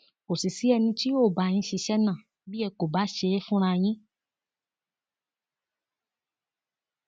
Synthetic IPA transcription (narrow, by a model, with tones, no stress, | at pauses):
ko˨si˨si˨˦ɛ˧nĩ˧ti˦o˦˨ba˨j̃ĩ˧˦ʃi˧ʃɛ˦nã˦˨ | bi˦ɛ˧ko˨ba˨˦ʃe˧˦ɛ˦fũ˦ɾ̃ã˧j̃ĩ˦